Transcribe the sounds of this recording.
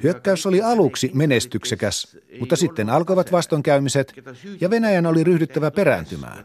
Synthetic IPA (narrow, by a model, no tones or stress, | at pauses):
hyøkːæysoliɑluksimenest̪yksekæs | mut̪ːɑsit̪ːenɑlkojʋɑt̪ʋɑst̪oŋkæymiset̪jɑʋenæjænoliryhdyt̪ːæʋæpeɾæ̰nt̪ymæ̰ː